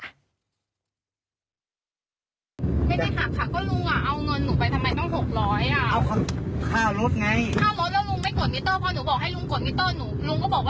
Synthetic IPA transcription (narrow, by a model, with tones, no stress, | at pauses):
pʰe˧naː˧˥˩ɦaː˨˩k̚ʰa˨˩kːɔː˥˩lu˧ŋʔa˨˩ʔa˧wŋɤ˧nːuː˩˦pa˧jt̪ʰa˧ma˧jt̪ɔ˥˩ŋho˨˩k̚ɾɔː˦˥jʔa˨˩ʔa˧˩wkʰo˧nkʰaː˥˩wlo˦˥˩t̪̚ŋa˧˥jkʰaː˥˩wlo˦˥t̪̚lɔː˦˥˩wlu˧ŋma˥˩jko˨˩t̪̚miː˧˥t̪ɤː˥˩pʰɔː˧nuː˩˦bɔː˨˩k̚ha˥˩jlu˧ŋko˨˩t̪̚miː˧˥t̪oː˥˩nuː˩˦lu˧ŋk̬ɔː˥˩bɔː˨˩k̚waː˥